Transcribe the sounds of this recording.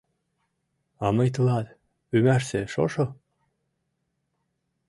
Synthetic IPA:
ɑmɤjt̪̬ɤlɑt̪ | ymæʃseʃo̰ʃo

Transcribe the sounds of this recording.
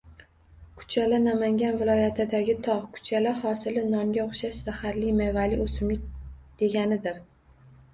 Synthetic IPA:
kʰʊ̥t͡ʃʰalanamaŋɡʲanvɪlˠɒjat̪ʰɪd̪aɡʲɪt̪ʰɒʁkʰʊ̥t͡ʃʰalahɒsɪlɪnɒŋɡʲaoχʃaʃsahaɾlɪmevalɪosɪmɪk̚ʲd̪̥e̞ɡʲanɪd̪ɪɾ

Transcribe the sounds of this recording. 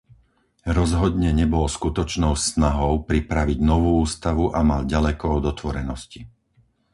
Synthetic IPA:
ɾɔzɦɔd̪ɲɛɲɛbɔlskut̪ɔt͡ʃnɔʊsnaɦɔʊpɾipɾaʋiɟnɔʋuːuːst̪aʋuʔamalɟalɛkɔɔd̪ɔt̪ʋɔɾɛnɔsci

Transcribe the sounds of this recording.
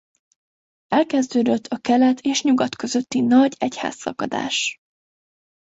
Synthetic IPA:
ɛlkɛzd̪øːd̪øt̪ʰːɒkɛlɛt̪ʰeːʃɲuɡɒt̪kø̞zø̞t̪ːinɒɟɛcha̰ːsːɒ̰kɒ̰d̪a̰ːʃ

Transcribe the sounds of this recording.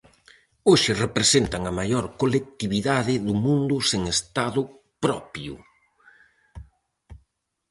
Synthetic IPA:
oʃɪrepɾesent̪aŋɐmajoɾkolek̚t̪iβiðaðɪðʊmũnd̪ʊseŋest̪aðʊ | pɾɔpjʊ̰

